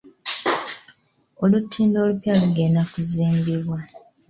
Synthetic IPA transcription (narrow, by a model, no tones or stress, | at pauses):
o̞lutʰːiːndo̞ːlupjaluɡeːndakuziːmbiβwa